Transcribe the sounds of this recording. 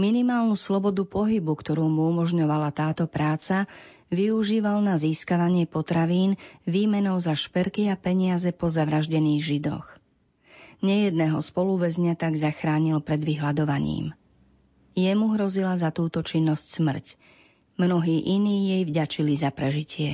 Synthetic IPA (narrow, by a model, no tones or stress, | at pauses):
minimaːlnuslɔbɔd̪upɔɦibukt̪ɔɾuːmuumɔʒɲɔʋalat̪aːt̪ɔpɾaːt͡sa | ʋiuʒiːʋalnaziːskaʋaɲɪɛpɔt̪ɾaʋiːnʋiːmɛnɔʊzaʃpɛɾkiapɛɲɪazɛpɔzaʋɾaʒɟɛniːɣʒid̪ɔ̰x | ɲɛjɛd̪nɛːɦɔspɔluʋɛzɲat̪aɡzaxɾaːɲilpɾɛd̪ʋiɦlad̪ɔʋaɲḭːm | jɛmuɦɾɔzilazat̪uːt̪ɔt͡ʃinːɔscsmr̩c | mnɔɦiːʔiniːjɛjvɟat͡ʃilizapɾɛʒicɪɛ